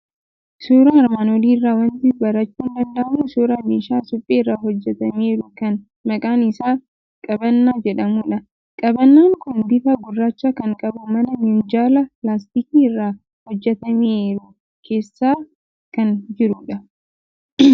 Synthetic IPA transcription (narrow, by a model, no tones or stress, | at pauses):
suːɾaɐɾmaːnɔliːɪrːaːwɐnt̪ɪbɐɾɐt͡ʃːuːnd̪ɐnd̪ɐʔɐmuːsuːɾaːmeːʃaːsʊpʼːeːrːaːhɔd͡ʒːɛt̪ɐme̞ːɾʊkɐn | mɐkʼaːnɪsaː | kʼɐbɐnːaːd͡ʒɛᶑɐmuːᶑɐ | kʼɐbɐnːaːŋkʊnbɪfɐɡʊrːaːt͡ʃːakɐŋkʼɐbʊmɐnɐmɪnd͡ʒaːlɐlaːs̬t̪ikiːɪrːaː | hɔd͡ʒːɛt̪ɐmeːɾʊ | kʰe̞ːsːaː | kɐnd͡ʒɪɾʊᶑɐ